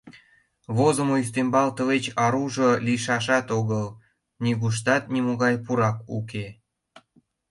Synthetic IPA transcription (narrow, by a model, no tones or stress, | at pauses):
βozomois̬t̪embɑlt̪ə̆βet͡ɕɑɾuʒoliʃɑʃɑt̪oɣəl | nʲiɣuʃ̬t̪ɑt̪̚nʲimoɣɑjpuɾɑkṵke